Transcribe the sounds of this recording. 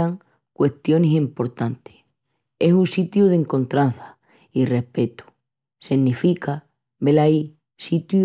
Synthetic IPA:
aŋ | kwe̞ht̪jo̞nesempo̞ɾt̪ant̪e̥ | e̞sunsit̪juðe̞ŋkõ̞nt̪ɾanθḁ | ire̞hpe̞t̪u̥ | seŋnifika | βe̞lai | sit̪ju

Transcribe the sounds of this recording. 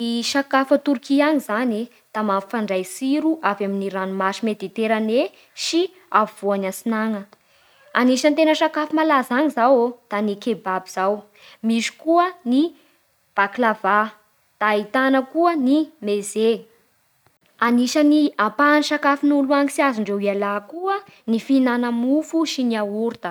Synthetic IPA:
iʃakafət̪uɾkiaŋizani | d̪̥amamfaɳɖ͡ʐajsiɾuʔavaminiɾanumaʃimed̪it̪eɾane | ʃi | avuv̥uanansinaŋə | aniʃənt̪enəʃakafimalazaŋizawod̪̥anikebabiz̥aw | miʃi̥kuəni | b̥aklava | d̪̥aːit̪anəkuənimeze | aniʃəniapaniʃakafinuluaŋisiazuɳɖ͡ʐewialakuənifinanəmufuʃiniawuɾt̪ə

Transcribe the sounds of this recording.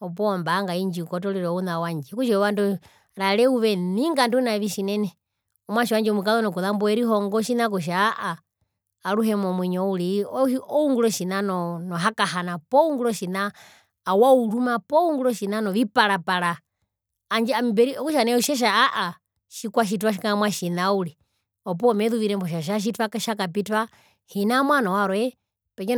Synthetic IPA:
ɔp̬ɔːmbaːŋɡaiɲd͡ʒiukɔtɔliɾɔɔunawaɲd͡ʒɛkut͡ʃɛɔwandu | ɾalɛuʋɛniŋɡandunaʋiʃinɛnɛ | ɔmwaʃiwaɲd͡ʒɛɔmukaðɔnɔkuðambɔɛɾiɦɔŋɡɔʃinak̬ɔʃ̬aːʔaː | ɾuɦɛmɔmwɛɲɔuliɔɔuŋɡulɔʃinanɔnɔɦakaɦanapɔuŋɡulɔʃinaː | waulumapɔuŋɡulɔʃinanɔʋipaɾapaɾaː | ɲd͡ʒɛambɛɾiɔkuʃanɛuʃaʃ̬aːʔa | ʃikwaʃ̬it̬waʃikaamwaʃinauli | ɔp̬ɔːmɛðuʋiɾɛmbɔʃ̬aʃ̬aʃ̬itwakaʃakapitwa | hinamwanɔwaɾɔɛ | pɛkɛ

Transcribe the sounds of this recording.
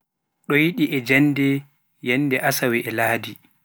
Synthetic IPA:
ɗɔjiɗiʔɛd͡ʒanːdɛ | jɛnːdɛʔasawɛʔɛlaːdi

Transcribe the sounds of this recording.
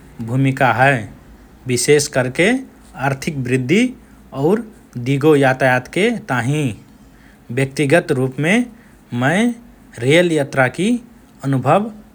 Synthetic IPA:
bʱuːmikaɦɛ | bɪseːskəɾke | aːɾt̪ʰɪk̚bɾɪd̪ʱːi | ɔːɾ | d̪iɡojaːt̪ajaːt̪ket̪aːɦĩ | bjək̚t̪iɡət̪ɾuːpmẽ | mə̃ɪ | ɾeəljat̪ɾaki | ənʊbʱəʋ

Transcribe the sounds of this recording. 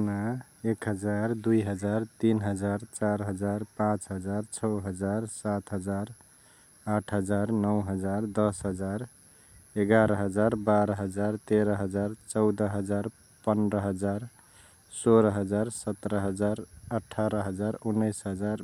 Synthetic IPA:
naekɦəd͡ʒaɾd̪ujɦəd͡ʒaɾt̪inɦəd͡ʒaɾt͡ʃaɾɦəd͡ʒaɾpãt͡ʃɦəd͡ʒaɾt͡ʃʰʌɦəd͡ʒaɾsat̪ʰɦəd͡ʒaɾ | aʈʰɦəd͡ʒaɾnəwɦəd͡ʒaɾd̪ʌsɦəd͡ʒaɾ | eɡaɾəɦəd͡ʒaɾbaɾəɦəd͡ʒaɾt̪eɾəɦəd͡ʒaɾt͡ʃʌʊd̪əɦəd͡ʒaɾ | pənɾəɦəd͡ʒaɾ | soɾɦəd͡ʒaɾsət̪ɾəɦəd͡ʒaɾəʈʰːaɾəɦəd͡ʒaɾunːəjsɦəd͡ʒaɾ

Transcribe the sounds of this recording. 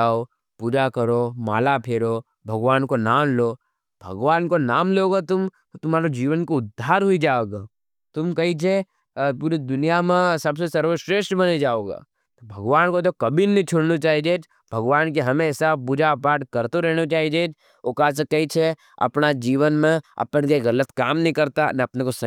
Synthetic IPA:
aːo | puːd͡ʒakɐɾoma̰ːlapʰeːɽo | bʱɐɡʋaːnkonaːmlo | bʱɐ̰ɡʋaːnkonaːmleoːɡat̪ʊm | t̪ʊmaːɾod͡ʒiːʋənkoʊd̪ʱːaːɾɦoid͡ʒaːoːɡaː | t̪ʊmkɐit͡ʃʰe | puːɾid̪ʊnijamẽsɐbsesɐɾʋoʃɾeːʃʈbɐned͡ʒaːoːɡa̰ː | t̪obʱɐɡʋaːnkot̪okɐbinnĩt͡ʃʰoɽnot͡ʃaːid͡ʒeːd͡ʒ | bʱɐɡʋaːnk̬eɦɐmẽsabʊd͡ʒʱapaːɾʈkɐɾt̪oɾɛɦñot͡ʃaːid͡ʒeːd͡ʒ | okaːs̬ekɐit͡ʃʰe | ɐ̰pnad͡ʒiːʋənmẽɐ̰pnkeɣɐlət̪kaːmnɐɦĩkɐɾt̪anɐpnekosɐ

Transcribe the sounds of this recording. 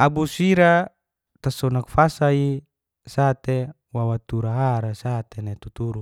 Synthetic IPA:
abusiɾa | t̪asɔnak̚fasai | sat̪e | wawat̪uɾaɦaɾasat̪enet̪ut̪uɾu

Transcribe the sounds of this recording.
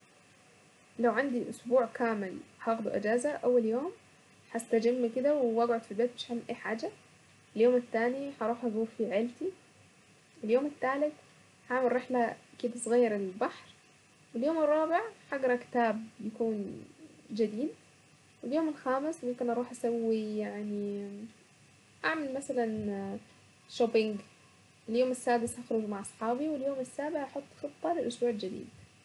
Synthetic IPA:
lawʕand̪iʔʊsbuːʕkaːmɪlhɑɣd̪ṵʔɪd͡ʒaːzaʔawːaljoːm | ħast̪ad͡ʒɪmːakɪd̪awɪwaɡʕʊd̪filbeːt̪̚mɪʃʕamːʔeːħaːd͡ʒa | ɪljoːmɪt̪ːaːniħɑɾˤuːħhɑzˤuːɾfiʕɪlt̪i | ɪljoːmɪt̪ːaːlɪt̪ | ħaʕmɪlɾeħlakɪd̪asˤɣɑjːɑɾˤɪlbɑħɾ | wɪljoːmɪrˤːɑːbɪʕħɑɡɑɾˤɑkɪ̥t̪aːb̚jakuːn | d͡ʒad̪iːd̪̚ | wɪljoːmɪlxaːmɪsmʊmkɪnʔɑɾˤuːħʔasawːijaʕni | ʔaʕmalmasalan | ʃobɪŋɡ | ʔɪljoːmɪsːaːd̪ɪsʔaxɾˤʊd͡ʒmaʕʔɑsˤħɑːbiwɪljoːmɪsːaːbɪʕʔɑħot̪ˤːxɨt̪ˤːɑlɪlʔʊsbuːʕɪld͡ʒɪd̪ḭːd̪

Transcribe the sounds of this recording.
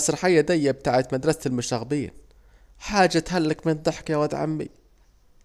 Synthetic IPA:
sɾħajːad̪ajːab̚t̪aːʕɪt̪mad̪ɾˤɑsɪlmʊʃaɣbiːn | ħaːd͡ʒːat̪halːakmɪnd̪ˤɨħkjawad̪ʕa̰mːḭ

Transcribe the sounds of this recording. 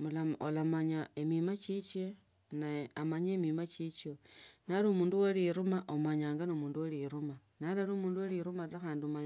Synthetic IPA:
mulao̰lamaɲaemimat͡ʃit͡ʃe | naamaɲemimat͡ʃit͡ʃonalumuːnduwoliɾumaʔomaɲaːŋɡanomuːnduwoliɾuma | nalaɾumuːnduwoliɾumaɾaxaːndiomaɲa

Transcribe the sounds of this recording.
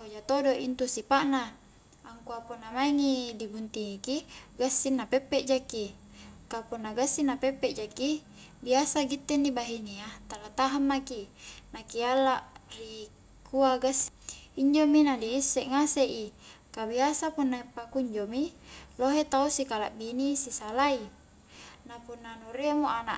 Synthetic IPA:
hod͡ʒat̪odoʔint̪usipaʔnaː | ŋkuapunːamaiŋidibunt̪iŋikiɡasːinːapɛpːɛʔd͡ʒaki | kapunːaɡasːinapepːɛʔd͡ʒaki | biasaɡit̪ːɛndibaɦiniat̪alat̪aɦamːakinakialaʔri | kuaɡasiɲd͡ʒominadiːsːɛʔŋaseʔi | kabiasapunːaipakuiɲd͡ʒomiloɦet̪ausikala̰ʔbinisisalai | napunːanuɾemuʔana̰ʔ

